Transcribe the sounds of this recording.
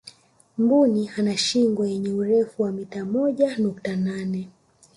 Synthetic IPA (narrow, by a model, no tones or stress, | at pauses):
mbunihanaʃiŋɡwajɛɲɛuɾɛfuwamitamɔʄanuktananɛ